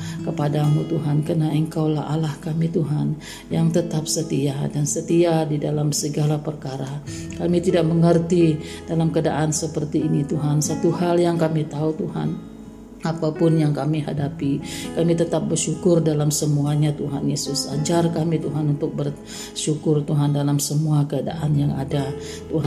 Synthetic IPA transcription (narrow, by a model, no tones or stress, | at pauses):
kəpadamut̪uɦankənaəŋkawlaa̰lahkamit̪uɦan | jaŋt̪ət̪ap̚sət̪iadansət̪iadidalamsəɡalapərkaɾakamit̪idak̚məŋərt̪id̥alamkədaʔansəpərt̪iːnit̪uɦansat̪uhaljaŋkamit̪aut̪uha̰n | apapʊnjaŋkamiɦadapikamit̪ət̪ap̚bərʃukʊrdalamsəmuaɲat̪uɦanjesʊsa̰d͡ʒarkamit̪uɦanunt̪ʊk̚bər | ʃukʊrt̪uɦandalamsəmuakəada̰ʔanjaŋa̰da | t̪uɦa